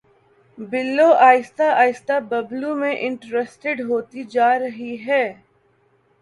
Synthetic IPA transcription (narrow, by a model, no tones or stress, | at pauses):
bɪlːoʔaːjɪst̪aaːjɪst̪abɐblumẽʔɪ̃ɳʈɾesʈɪɖɦoːt̪id͡ʒaːɾɐɦiɦɛː